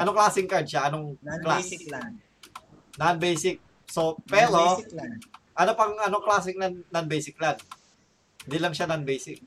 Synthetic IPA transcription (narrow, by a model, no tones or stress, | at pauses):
ʔɐnoŋklasɪŋkadt͡ʃaanoŋkla | nanbɛjsɪk̚ | sopɛɾo | ʔanopaŋanoŋklas̬ɪŋnanːanbejsɪk̚lan | nd̪ilaŋʃananbɛjsɪk̚